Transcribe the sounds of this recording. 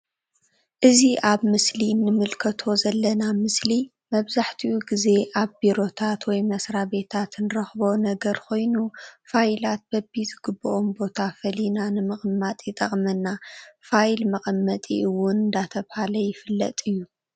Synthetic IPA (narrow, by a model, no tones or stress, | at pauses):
ʔɨziʔaβmɨslinːɨmɨlkʰɐt̪ʰo̞zɐlːɐnamɨsli | mɐβzaħt̪ʰiwuɡize̞ʔaβbiɾo̞t̪ʰat̪wɔjmɐsɾabe̞t̪ʰat̪nɨɾɐxbonɐɡɐɾkʰo̞jnufajlat̪̚bɐbːizɨɡɨbːɨʔombo̞t̪ʰafɐlinanɨmɨχʼmːat̪ʼjɪt̪ʼɐχʼmɐnːafajlmɐχʼɐmːɐt̪ʼḭʔɨwʊnɨnd̪at̪ʰɐβhalɐjɪfɨlːɐ̰t̪ʼɨjːu